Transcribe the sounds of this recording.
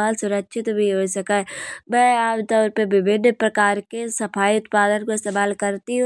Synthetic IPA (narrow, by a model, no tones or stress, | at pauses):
aːlsʊɾəkʃʰɪt̪bʱiɦoːsɐkaːbɛaːpt̪əɾpeʋɪbʱɪnːpɾɐkaːɾkesɐpʰaːiʊt̪paːd̪ənkoɪst̪eːmaːlkɐɾt̪iɦũ